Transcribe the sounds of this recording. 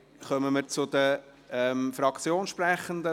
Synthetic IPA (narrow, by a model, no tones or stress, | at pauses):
χœməməɾt͡sʊd̪ə | ɛmfɾɑkt͡sjoːnʃprɛχənd̪ə